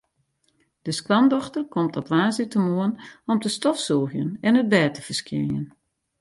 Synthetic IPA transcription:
d̥əsklɑmdɔxtərkɔmtɔpʋaːzitəmoənɔmtəstɔfsoːxjənɛnət̚bɛːtəfərskḭnjə̰n

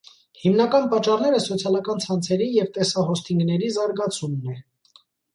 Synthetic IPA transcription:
himnɑkɑnpɑt͡ʃːɑɾnɛɾəsɔt͡sʰjɑlɑkɑnt͡sʰɑnt͡sʰɛɾijɛvt̪ɛsɑɦɔst̪ʰiŋɡnɛɾizɑɾɡɑt͡sʰumnɛ

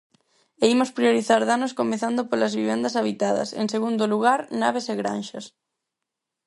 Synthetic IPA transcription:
eimospɾioɾiθaɾðanʊskomeθand̪opolɐzβiβend̪ɐsaβit̪aðɐ̰sḛŋseɣund̪oluɣaɾnaβ̞eseɣɾa̰nʃɐs

